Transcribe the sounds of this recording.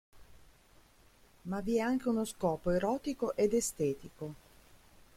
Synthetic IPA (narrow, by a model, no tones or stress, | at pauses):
maviɛaŋk̟eunoskɔːpoeɾɔːt̪ikoʔed̪est̪ɛːt̪iko